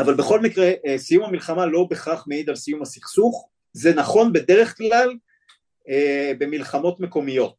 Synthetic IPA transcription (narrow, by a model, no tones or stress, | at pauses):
avalbe̞χo̞lmikʁeʔsijumhamilχamalo̞be̞χaχmeid̪alsijumhasiχsuχ | ze̞naχo̞nbe̞deʁe̞χklal | ebe̞milχamo̞tme̞ko̞mijo̞t